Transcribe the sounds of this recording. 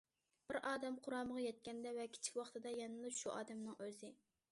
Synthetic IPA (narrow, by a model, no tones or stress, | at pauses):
b̥ɪɾɑːd̪ɛmqʰʊɾɑːməʁɑjɛt̪̚kʲɛnd̪ɛvɛkʲʰi̥t͡ʃʰi̥kʲwɑχt̪ɨd̪ɑjɛnɨlˠɨpʃuʔɑ̰ːd̪ɛmnɨŋøzɪ